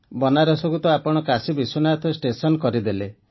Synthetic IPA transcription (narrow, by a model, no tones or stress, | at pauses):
bɔnaɾɔsɔɡut̪ɔapɔɽ̃ɔkasibisɔnat̪ʰɔsʈesɔnɔkɔɾid̪ele